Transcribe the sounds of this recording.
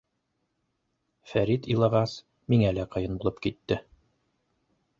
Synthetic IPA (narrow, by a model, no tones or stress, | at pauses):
fæɾit̪ĭlˠɑʁɑs | miŋælæqɤ̆jɤnbulˠɤpkit̪ːɘ